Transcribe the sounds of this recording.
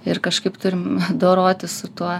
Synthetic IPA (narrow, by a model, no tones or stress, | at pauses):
ɪrkɐʃkɐɪpt̪ʊɾʲɪmd̪oːɾoːt̪ʲɪssʊt̪uɔ